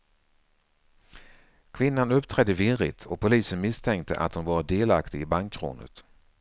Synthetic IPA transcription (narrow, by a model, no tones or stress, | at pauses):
kʰvɪnːanɵpːt̪ʰɾɛd̪ːəvɪɾɪ̰t̪ʰɔpʰʊliːsənmɪst̪ʰɛŋk̚t̪ʰə̰ʔa̰t̪hʊnvɑːɾd̪eːlakt̪ɪɪbaŋkʰːɾṵːnə̰t̪